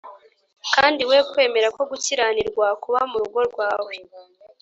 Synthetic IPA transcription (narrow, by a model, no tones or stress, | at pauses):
kaːndiwe̞kwe̞ːme̞ɾako̞ɡuciɾaniɾɡwakuβamuɾuɡo̞ɾɡwaːwe̞